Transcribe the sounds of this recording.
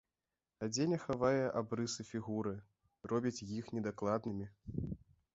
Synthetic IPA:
ad͡zʲenʲɛxavajɛʔabɾɨsɨfʲiɣuɾɨ | rɔbʲit͡sʲjixnʲɛd̪aklˠad̪nɨmʲi

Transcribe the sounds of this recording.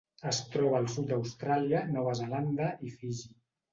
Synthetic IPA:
əst̪ɾɔβaːlˠsut̪̚d̪awst̪ɾaliənɔβəzəland̪əʔifiʒi

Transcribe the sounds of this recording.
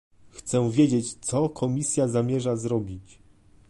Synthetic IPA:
xt̪sɛvʲjed͡ʑet͡ɕt̪sɔkʰɔmʲisʲjazamʲjɛʐazɾɔbʲit͡ɕ

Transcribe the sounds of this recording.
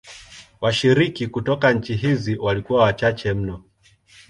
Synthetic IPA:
waʃiɾikikutɔkaɲ̩t͡ʃiɦiziwalikuwawat͡ʃat͡ʃɛm̩nɔ

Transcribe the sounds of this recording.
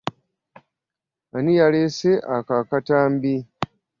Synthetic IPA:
anijaleseʔakakataːmbi

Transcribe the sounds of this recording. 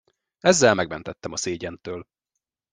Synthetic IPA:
ɛzːɛlmɛɡmɛn̪t̪ɛt̪ːɛmɒseːɟɛnt̪øːl

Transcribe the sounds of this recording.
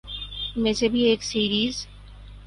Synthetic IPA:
meːsebʱieːksiːɾiːz

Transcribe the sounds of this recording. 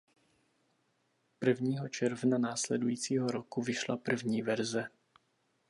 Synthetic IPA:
pr̩vɲiːɦɔt͡ʃɛɾvnanaːslɛd̪ujiːt͡siːɦɔɾɔkuvɪʃla̰pr̩vɲiːvɛɾzɛ

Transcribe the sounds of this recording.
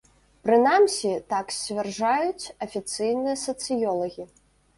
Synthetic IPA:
pɾɨnamsʲit̪aksʲvʲarʐajut͡sʲɐfʲit̪sɨjnɨjɐsɐt̪sɨjɔlˠɐɣʲi

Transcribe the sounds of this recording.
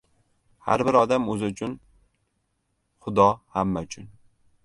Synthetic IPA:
ha̰ɾbɪɾɒd̪amɵzɪʊt͡ʃʰʊn | χʊd̪ɒhamːaʊt͡ʃʰʊn

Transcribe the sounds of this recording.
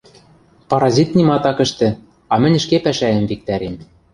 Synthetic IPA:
pɑɾɑzʲit̪nimɑt̪ɑkɘ̆ʃt̪ɘ̆ | ɑmɘ̆nʲɘ̆ʃkepæʃæɘ̆mvik̚t̪æɾem

